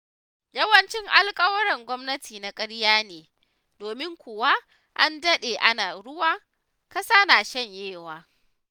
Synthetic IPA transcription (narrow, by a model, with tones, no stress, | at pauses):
jɐ˦wɐ˦nt͡ʃɪ˦ŋʔa˦lkʼɐ˦wɐ˦ɽɐ˨ŋɡʷɔ˦mnɐ˦tʰiː˨na˨kʼɐ˦ɽjaː˦neː˨ | doː˨mɪ˦ŋkʷʊ˨wa˦ | ʔa˦ndɐ˦ɗeː˨ʔa˦naː˨ɾʊ˦waː˦ | kɐ˦saː˦naː˨ʃɐ˦˨ɲjeː˦˨waː˨